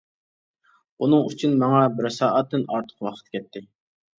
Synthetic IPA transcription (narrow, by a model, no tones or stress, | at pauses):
unɨŋyt͡ʃʰynmɑŋɑbɪɾsɑːʔɑt̪ːɨnɑɾt̪ʰə̥qwɑχʰə̥t̪̚kʲʰɛt̪ʰːɪ